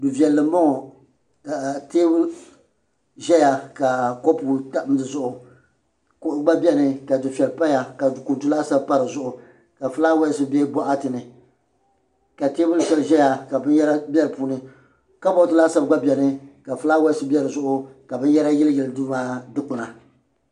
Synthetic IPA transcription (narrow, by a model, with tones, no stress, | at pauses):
du˨vi˨ɛ˨lːɨ˨˦mɔ˦ŋɔ˨ | ka˨teː˦bʊ˦ | ʒɛ˦ja˨ka˨ko˦pu˨ta˦m˦dɨ˨zʊ˦ʔʊ˨ | kʊ˦ʔɡ͡ba˦bʲɛ˦nɨ˨ka˨dʊ˨fi˨ɛ˨lpa˦ja˨ka˨ku˨ntu˦la˦sa˦bpa˦ɾɨ˨zʊ˦ʔʊ˨ | ka˨fɨ˦la˦wɛ˦sɨ˦bɛ˦bɔ˦ʔa˦tɨ˨nɨ˨ | ka˨teː˦bʊ˦lfɛ˨lʒɛ˦ja˨ka˨bɨ˦njɛ˦ɾa˦bʲɛ˦lpuː˦nɨ˨ | ka˦bɔ˦tɨ˦la˦sa˦bɡ͡ba˦bɛ˨nɨ˦ka˨fɨ˦laː˦wɛ˦sɨ˦bʲɛ˦ɾɨ˨zʊ˦ʔʊ˦ka˨bɨ˦n˦jɛ˦ɾa˦jɪ˦lɨ˦jɪ˨lɨ˨˦duː˦maː˦dɨ˦k͡pʊ˨na˨